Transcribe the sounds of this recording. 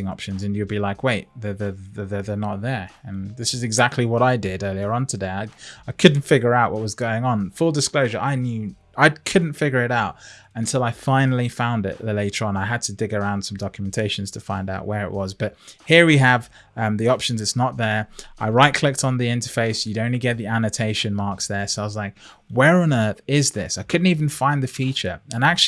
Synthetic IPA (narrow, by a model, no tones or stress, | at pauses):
ɪ̃ŋɑ̰pʃɨ̃nzɨ̃njɨd̚bilaɪkweɪt̚ðəðəðəðə˞nət̪̚ðə˞ə̃nðɪsɨzɨɡzæk̚tʰˡliwʌɾaɪdɪɾɜ˞lˠiə˞ə̃ntʰɨdeɪaɪaɪkʰʊdⁿn̩tfɪɡjə˞aʊʔwʌʔ̚wʌzɡoʊɪ̃ŋə̃nfʊlˠdɨskloʊʒə˞ʔaɪnjʉ | aɪkʰʊdⁿn̩tfɪɡjə˞ɨɾaʊt̚ | ɨ̃ntʰɪlˠaɪfãɪ̃nl̩ˠifãʊ̃ndɪ̰ʔlleɪɾə˞ə̃naɪəd̚tʰədɪɡə˞ãʊ̃nd̥sʌ̃mdɑkʰjəmɛ̃ntʰeɪʃɨ̃n̩z̥tʰəfãɪ̃ndaʊʔwə˞ɨ̰ʔwʌzb̥ʌt̚hiəɹwiəv̥ | ʌ̃mðiɑpʃɨ̃n̩zɨtsnəʔ̪̚ðə˞ʔaɪɹaɪʔ̚kʰl̥ɪk̚tn̩ðiɪ̃ntəfeɪsjɨɾõʊ̃nliɡɛt̪̚ðiænɨtʰeɪʃɨ̃nmɑɹksðə˞soʊaɪwʌzlaɪk̚ | wɛɹə̃nɜ˞θɪzðɪ̰saɪkʰʊdⁿn̩tivn̩fãɪ̃nðɨfit͡ʃə̰˞ə̃nak̚t͡ʃ